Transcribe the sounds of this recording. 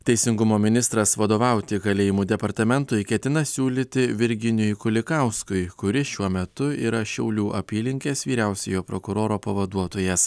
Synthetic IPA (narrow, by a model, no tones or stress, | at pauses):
t̪ʲɛɪsʲɪŋɡʊmoːmʲɪnʲɪst̪ɾɐsʋɐd̪oːʋɑˑʊt̪ʲɪɡɐlʲeːjɪmuːd̪ʲɛpɐɾt̪ɐmʲɛnt̪ʊɪkʲɛt̪ʲɪnɐsʲuːlʲiːt̪ʲɪʋʲɪɾʲɡʲɪnʲʊjkʊlʲɪkɑʊskʊɪkʊɾʲɪʃʲuɔmʲɛt̪ʊiːɾɐʃʲɛʊlʲuːʔɐpʲiːlʲɪŋʲkʲeːsʋʲiːɾʲæˑʊsʲɛjoːpɾokʊɾoːɾoːpɐʋɐd̪uɔt̪oːjɛs